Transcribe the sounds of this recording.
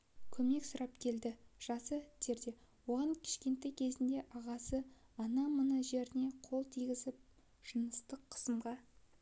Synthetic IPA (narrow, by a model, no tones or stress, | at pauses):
kʲʰɵme̞ksʊɾɑpkʲʰe̞ld̪ɪʒ̥ɑsət̪ʰe̞ɾd̪e̞wo̞ʁɑŋkʲʰɪ̥ʃkʲe̞nt̪ːejkʲʰe̞zɪnd̪e̞ʔɑʁɑsəɑnɑmənəʒe̞ɾɪne̞qʰo̞lˠt̪ʰiɡʲɪzɪp̚ | ʒ̥ənəst̪əqʰːə̥səmʁɑ